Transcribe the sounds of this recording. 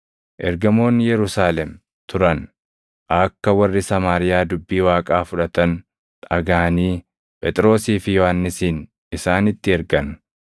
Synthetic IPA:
ʔɛɾɡɐmo̞ːnjɛɾʊsaːlɛm | t̪ʰʊɾɐn | ʔɐkːɐwɐrːɪsɐmaːɾɪjaːd̪ʊbːiːwaːkʼaːfʊᶑɐt̪ɐn | ᶑɐɡaːniː | pʼɛt̪ʼɾo̞ːsiːfɪjɔhɐnːɪsiːn | ɪsaːnɪt̪ːɪɛɾɡɐn

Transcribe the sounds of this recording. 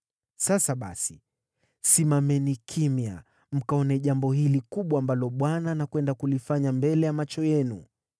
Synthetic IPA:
sasaɓa̰si | simamɛnikʰimja | m̩kaɔnɛʄambɔhilikuɓwaːmbalɔɓwananakwɛndakulifaɲambɛlɛjamat͡ʃɔjɛnu

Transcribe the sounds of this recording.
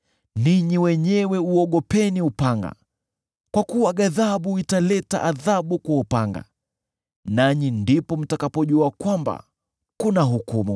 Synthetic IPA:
niɲiwɛɲɛwɛuɔɠɔpɛniupaŋɡa̰ | kwakuwaɠaðaɓuitalɛta̰ʔaðaɓukwaupaŋɡa̰ | naɲindipɔm̩takapɔʄuakwamba̰ | kunaɦukumṵ

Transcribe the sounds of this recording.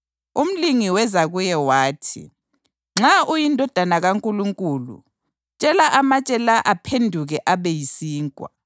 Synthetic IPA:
um̩liŋiwɛzaɣujɛwaːtʰḭ | ŋ͡ǁaʔujindʱɔd̥ʱanaɣaŋkʼuluŋkʼuːlṵ | t͡ʃʼɛlaʔamat͡ʃʼɛlaʔapʰendʱuɣɛʔaβejisiːŋkʼwa̰

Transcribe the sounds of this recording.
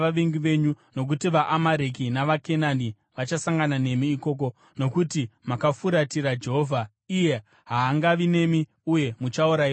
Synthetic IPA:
aʋeŋɡiʋe̞ɲu | no̞k̬utiʋaʔamaɾek̬inaʋake̞nani | ʋat͡ʃasaŋɡanane̞miːko̞ːk̬o̞ | no̞kutimakafuɾatiɾad͡ʒe̞ɦoːvʱa | ije̞ | ɦaːŋɡaʋine̞mi | uje̞mut͡ʃauɾai

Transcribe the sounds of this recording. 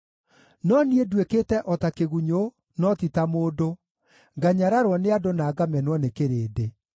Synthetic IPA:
nɔniedwekeːtɛʔɔtakeɣuɲo | nɔtitamoːdo | ŋɡaɲaɾaɾwɔneadonaːɡamɛnwɔnekeɾeːde

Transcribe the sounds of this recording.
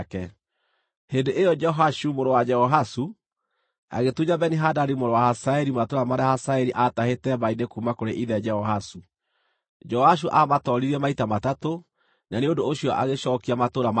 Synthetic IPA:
kɛ | hendeʔejɔd͡ʒɛɦaʃumoɾowad͡ʒɛhɔɦasu | a̰ɣetuɲabɛniɦadaɾimoɾowahasaɛɾimatoɾamaɾeahasaɛɾiʔatahetɛβainekumakoɾeʔiðɛd͡ʒɛhɔɦasu | d͡ʒɛɔhaʃ̬uʔamatɔɾiɾiɛmaitamatato | naneondoːɕiɔʔa̰ɣeɕɔːkiamatoɾam

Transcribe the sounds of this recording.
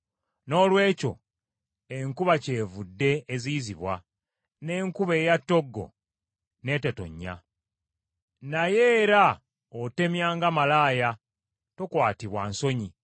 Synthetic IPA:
no̞ːlwe̞ːco̞̰ | e̞ŋkuβaceːvudːe̞ːziziβwa | ne̞ːŋkuβe̞ːjatːo̞ɡːo̞̰ | ne̞ːte̞to̞̰ɲːa̰ | naje̞ːɾa | ote̞mjaːŋɡamalaːja | tokwaːtiβwa̰nso̞ɲi

